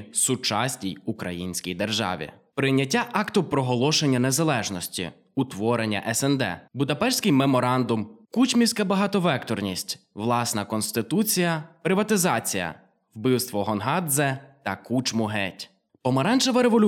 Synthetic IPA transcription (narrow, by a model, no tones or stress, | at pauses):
sʊt͡ʃɑsʲnʲijʊkɾɐjinʲsʲkʲijd̪erʒɑ̰ʋʲḭpɾɪnʲːɐtʲːaʔɑkt̪ʊpɾɔɦɔlˠɔʃenʲːɐne̞zɐlˠɛʒnɔsʲtʲḭ | ʊt̪ʋɔɾenʲːɐ̰ʔɛsɛnd̪ɛ̰bʊd̪ɐpɛʃsʲkɪjmemɔɾɑnd̪ʊmkut͡ʃmʲiwsʲkɐbɐɦɑt̪ɔʋɛkt̪ɔrnʲisʲtʲʋlˠɑsnɐkɔnsʲt̪ɪt̪ut͡sʲijɐpɾɪʋɐt̪ɪzɑt͡sʲijɐ̰ | wbɪwst̪ʋɔɦɔnɦɑd̪zɛt̪ɐkut͡ʃmʊɦɛtʲ | pɔmɐɾɑnʒeʋɐɾeʋɔlʲ